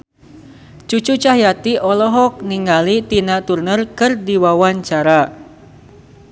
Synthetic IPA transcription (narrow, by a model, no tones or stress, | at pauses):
t͡ʃut͡ʃut͡ʃaɦjat̪iʔɔlɔɦɔk̚niŋalit̪inat̪urnərkɨrdiwawaɲt͡ʃaɾa